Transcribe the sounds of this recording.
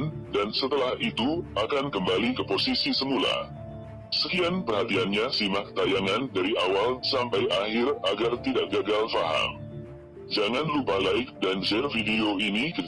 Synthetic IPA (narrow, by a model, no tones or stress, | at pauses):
ndansət̪əlahit̪uakankəmbalikəposisisəmula̰ | səkianpərhat̪ianɲasimak̚t̪ajaŋandaɾiʔawalsampajʔahɪraɡart̪idaʔɡaɡalfaɦa̰m | d͡ʒaŋanlupalaɪk̚dand͡ʒɛrfideoinikə